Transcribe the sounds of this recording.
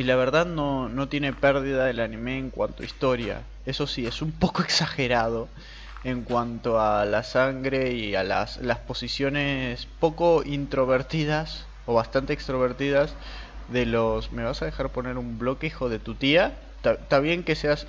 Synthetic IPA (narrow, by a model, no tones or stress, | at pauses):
ilaβ̞e̞ɾðaðno̞no̞t̪je̞ne̞peɾðiðaelanĩmeːŋkwa̰nt̪oist̪o̞ɾja̰ | e̞so̞sie̞sumpo̞koeksaxe̞ɾað̞o̞ | e̞ŋkwant̪oalasaŋɡɾe̞ia̰la̰slaspo̞sisjo̞ne̞spo̞ko̞int̪ɾo̞β̞eɾt̪ið̞as | o̞β̞ast̪ant̪eːkst̪ɾo̞β̞e̞ɾt̪iðaz | ðe̞lo̞sme̞β̞asaðexaɾpo̞ne̞ɾumblo̞kixo̞ð̞e̞t̪ut̪ia | t̪at̪aβje̞ŋke̞se̞as